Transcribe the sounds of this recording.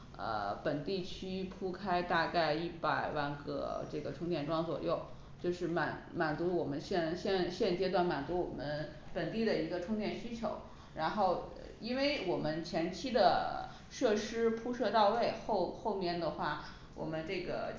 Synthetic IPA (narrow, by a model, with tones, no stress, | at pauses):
ə̰˧˩pə˨˩nt̪i˥˩t͡ɕʰy˥pʰu˥kʰa˥ɪt̪a˥˧ka˥˧ɪi˥˩pa˨˩ɪwa˥˧nɡə̰˧˩ʈ͡ʂɤ˥˩ɡə˩ʈ͡ʂʰʊ˥ŋt̪jɛ˥˩nʈ͡ʂwɑ˥ŋt͡swɔ̰˨˩jo˥˩ʊ | t͡ɕjo˥˧ʊʂɻ̩˥˩ma˨˩˦nma˨˩nt͡su˧˥wɔ˨˩mə˦nɕjɛ˥˩nɕjɛ˥˧nɕjɛ˥˧nt͡ɕjɛ˥t̪wa˥˩nma˨˩nt͡su˧˥wɔ˨˩mə˦n | pə˨˩nt̪i˥˩d̪ə˩i˧˥ɡə˧ʈ͡ʂʰʊ˥ŋt̪jɛ˥˩nɕy˥t͡ɕʰjo˧˥ʊ | ɻa˧˥nxo˥˩ʊ | i˥nwe˥˧ɪwɔ˨˩mə˦nt͡ɕʰjɛ˧˥nt͡ɕʰi˥d̪ə˨ | ʂɤ˥˩ʂɻ̩˥pʰu˥ʂɤ˥˧t̪ɑ˥˧ʊwe˥˧ɪxo˥˧ʊxo˥˧ʊmjɛ˥˩nd̪ə˩xwa˥˩ | wɔ̰˨˩mə˦nʈ͡ʂɤ˥˩ɡə̰˩